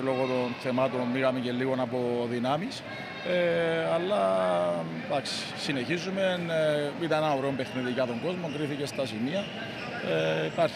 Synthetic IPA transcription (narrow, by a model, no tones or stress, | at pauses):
lo̞ɣo̞t̪o̞nθe̞mɐt̪o̞nmiɣɐmeɲce̞lːiɣo̞nɐpo̞ðinɐmis | eɐlːɐ | d̪ɐksi̥sine̞çizume̞nit̪ɐneɐnoɾeo̞mbe̞xniðicɐt̪o̞ŋɡo̞zmo̞ŋɡɾiθice̞st̪ɐsimiɐ | eipɐɾ